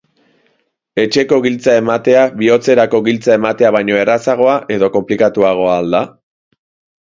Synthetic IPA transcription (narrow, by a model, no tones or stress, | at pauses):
e̞t͡ʃe̞ko̞ɣilt͡sae̞mat̪e̞aβio̞t͡se̞ɾako̞ɣilt͡sae̞mat̪e̞aβ̞ajɲo̞e̞rasaɣ̞o̞aʔe̞ðo̞ko̞mplikat̪uaɣ̞o̞aːld̪a